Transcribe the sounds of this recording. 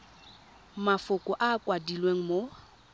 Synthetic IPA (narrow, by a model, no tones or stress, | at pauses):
mafʊkʼʊʔaːkʼwadilweŋ̩mo